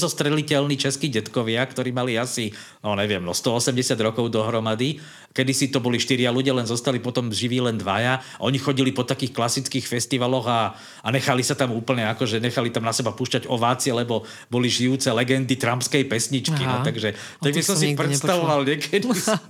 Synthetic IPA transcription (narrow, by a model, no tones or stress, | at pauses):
zɔst̪ɾɛlicɛlniːt͡ʃɛskiːɟɛt̪kɔʋɪakt̪ɔɾiːmaliasi | nɔɲɛʋɪɛmnɔ̰st̪ɔɔsɛmɟɛsad̪ɾɔkɔʊd̪ɔɦɾɔmad̪i | kɛd̪isit̪ɔbɔliʃt̪iɾɪaluɟɪalɛnzɔst̪alipɔt̪ɔmʒiʋiːlɛnd̪ʋajaaʔɔɲixɔɟilipɔt̪akiːxklasit͡skiːxfɛst̪iʋalɔɣa | aɲɛxalisat̪amuːpl̩ɲɛakɔʒɛɲɛxalit̪amnasɛbapuːʃcaɟɔʋaːt͡siɛlɛbɔ | bɔliʒiuːt͡sɛlɛɡɛnd̪it̪ɾampskɛjpɛsɲit͡ʃkinɔt̪aɡʒɛ | t̪aɡbisɔmsipɾɛt̪st̪aʋɔʋalɲɛkʰɛd̪is